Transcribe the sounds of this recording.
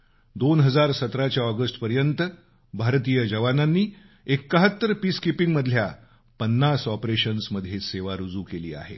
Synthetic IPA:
d̪onɦəd͡zaɾsət̪ɾat͡ɕjaɔɡəsʈpəɾjənt̪ə | bʱaɾt̪iːjəd͡ʑəʋananːiː | ekːəɦət̪ːəɾpiskepiŋɡməd̪ʱlja | pənːasɔpɾeɕənsməd̪ʱjeseʋaɾud͡zuːkelḭːa̰ɦḛ

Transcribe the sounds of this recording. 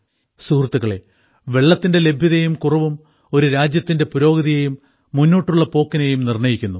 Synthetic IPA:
suːrt̪ːuɣɐɭe̞ | ʋe̞ɭːɐt̪ːinde̞le̞bʱjɐðɐjumkurɐʋum | o̞ɾuɾaːd͡ʑjɐt̪ːinde̞puɾo̞ːɡɐðijejumː | unːoːʈːuɭːɐpo̞ːkːinejumnirɳɐjikʲːunːu

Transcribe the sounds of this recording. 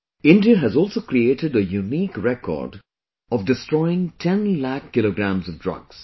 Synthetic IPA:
ɪ̃nɖiəɦɨzɔːlˠsoːkɾieːʈɨɖəjuniːkɹɛkʰɔ̰ːɾɖ | ɔvɖɨstɹɔɪɪ̃ŋtʰɛ̃nlækʰːɪloɡɾæ̃mzɔvdɹʌ̰ɡs

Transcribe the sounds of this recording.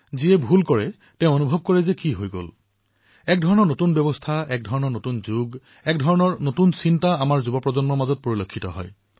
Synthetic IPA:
ziɛbʱulkɔɹɛ | tɛ̃ʊ̃onubʱɔb̚kɔɹɛzɛkiɦojɡo̰l | ɛk̚dʱɔɹɔnɔɹnotunbjɔbɔstʰaɛk̚dʱɔɹɔnɔɹnotunzuɡ | ɛk̚dʱɔɹɔnɔɹnotunsintaamaɹzubɔpɹɔzɔnmɔɹmazɔt̚poɹilokʰːitɔ̰ɦɔ̰j

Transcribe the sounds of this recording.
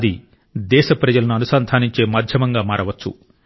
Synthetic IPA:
d̪i | d̪ɛːʃɐpɾɐd͡ʒɐlɐnuɐnusaːnd̪ʱʰaːniɲt͡ʃe̞ːmaːd̪ʱjɐmɐŋɡaːmaːɾɐʋɐt͡ʃːṵ

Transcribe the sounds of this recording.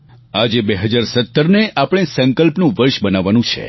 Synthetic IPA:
ad͡ʒebeɦəd͡ʒaɾsət̪ːəɾneʔapɽ̃esə̃ŋkəlpnũʋəɾʃbənaʋːanũt͡ʃʰḛ

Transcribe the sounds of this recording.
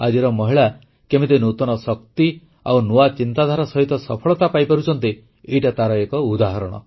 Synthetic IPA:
ad͡ʒiɾɔmɔɦiɭa | kemit̪enut̪ɔñɔsɔkt̪i | a̰wnuat͡ʃint̪ad̪ʱaɾɔsɔɦit̪ɔsɔpʰɔɭɔt̪apajpaɾut͡ʃʰɔnt̪i | ejʈat̪aɾɔekɔud̪aɦɔɾɔɽ̃ɔ̰

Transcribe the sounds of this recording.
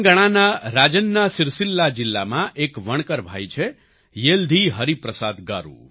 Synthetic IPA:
ɡəɽ̃anaɾad͡ʒənːasɪɾsɪlːad͡ʒɪlːamãʔekʋəɳkəɾbʱajt͡ʃʰe | jeld̪ʱiɦəɾipɾəsad̪ɡa̰ɾṵ

